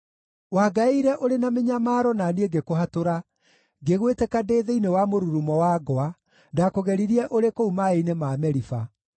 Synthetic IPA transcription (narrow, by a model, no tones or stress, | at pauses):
waɡaeiiɾɛʔoɾenameɲamaːɾɔnanieɡekoɦatoɾa | ɡeɣwetɛkadeːðeinewamoɾuɾumɔwaːɡɔa | dakoɣɛɾiɾiɛʔoɾekoumaeinemamɛɾifa